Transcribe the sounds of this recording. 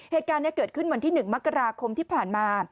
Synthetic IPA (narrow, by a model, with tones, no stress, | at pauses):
heː˨˩t̪̚kaː˧nːɛ˦˥kɤː˨˩t̪̚kʰɯ˥˩nwa˧nt̪ʰiː˥˩nɯ˨˩ŋm˦˥kːa˧ɾaː˧kʰo˧mt̪ʰiː˥˩pʰaː˨˩nmaː˧